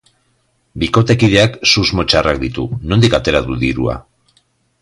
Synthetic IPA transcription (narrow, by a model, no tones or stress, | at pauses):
biko̞t̪e̞kið̞e̞aksuzmo̞t͡ʃarakd̪it̪uno̞nd̪ikat̪e̞ɾaðuðiɾua̰